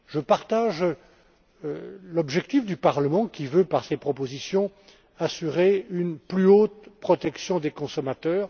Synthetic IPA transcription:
ʒəpaʁt̪aʒ | lɔbʒɛk̚t̪ifd̪ypaʁləmɑ̃kʲivøpaʁsepχɔpozisjɔ̃ | asyʁeynplyot̪pχɔt̪ɛksjɔ̃d̪ekɔ̃sɔmat̪œːʁ

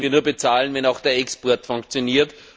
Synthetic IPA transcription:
viɐnuːɐbet͡saːlənvɛnaʊxd̥eːɐɛkspɔɐtfʊŋkt͡sjoniːɐt

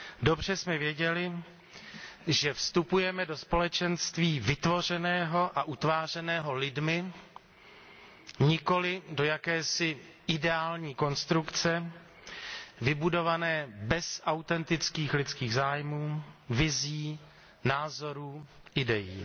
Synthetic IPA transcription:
do̞br̝ɛsmɛvjɛɟɛlɪ | ʒɛfst̪upujɛmɛdo̞spo̞lɛt͡ʃɛnst̪viːvɪt̪vo̞r̝ɛnɛːɦo̞ʔaʔut̪vaːr̝ɛnɛːɦo̞lɪdmɪ | ɲɪko̞lɪdo̞jakɛːsɪ | ʔɪdɛaːlɲiːko̞nst̪ɾukt͡sɛ | vɪbudo̞vanɛːbɛsʔawt̪ɛnt̪ɪt͡skiːxlɪt͡skiːɣzaːjmuːvɪziː | naːzo̞ɾuːʔɪdɛjḭː

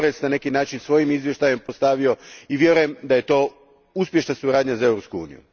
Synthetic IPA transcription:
ɾesnane̞kinaːt͡ʃinsʋo̞jimizʋje̞ʃt̪aje̞mpost̪aʋio̞iʋje̞ɾuje̞md̪aje̞t̪o̞ː | uspje̞ʃnasuɾaːd̪ɲazae̞ʋɾopskuṵːnḭjṵ

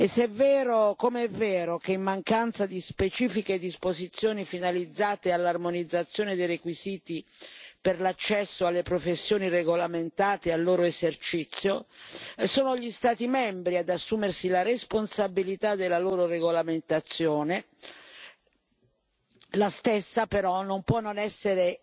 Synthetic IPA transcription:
esːɛvːɛːɾokomeɛvːɛːɾokeimːaŋkant̪sad̪ispet͡ʃiːfiked̪ispozit̪sːjoːnifinalid̪zːaːt̪ealːarmonid̪zːat̪sːjoːned̪ejrekwiziːt̪iperlat͡ʃːɛsːoalːepɾofesːjoːnireɡolament̪aːt̪ealːoːɾoezert͡ʃit̪sːjo | soːnoʎist̪aːt̪imɛmbɾiad̪asːuːmersilaresponsabilit̪ad̪ːelːaloːɾoreɡolament̪at̪sːjoːne | last̪esːapeɾɔnːompwɔnːonɛsːeɾe

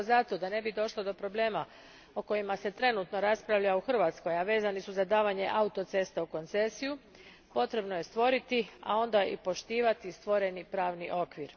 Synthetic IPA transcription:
zat̪o̞d̪ane̞bid̪o̞ʃlˠod̪o̞pɾo̞ble̞ːma | oko̞jimase̞t̪ɾe̞nut̪no̞ɾaspɾaʋʎauxr̩ʋat̪sko̞jaʋe̞ːzanisuzad̪aːʋaɲe̞ʔaut̪o̞t̪se̞st̪auko̞nt̪se̞siju | po̞t̪ɾe̞bno̞je̞st̪ʋo̞ɾit̪ia̰o̞nd̪aḭpo̞ʃt̪iːʋat̪ist̪ʋo̞ɾe̞nipɾaːʋniʔo̞kʋiɾ

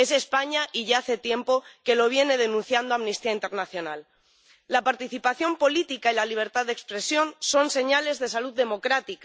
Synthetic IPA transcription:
es̬e̞spaɲaʔiʝaaθe̞t̪je̞mpo̞ke̞lo̞β̞je̞ne̞ð̞e̞nũn̟θjand̪oamnist̪iaint̪e̞ɾnaθjo̞nalː | apaɾt̪iθipaθjo̞mpo̞lit̪ikailaliβ̞e̞ɾt̪aððe̞kspɾe̞sjo̞nso̞nse̞ɲale̞zðe̞saluðːe̞mo̞kɾat̪ika

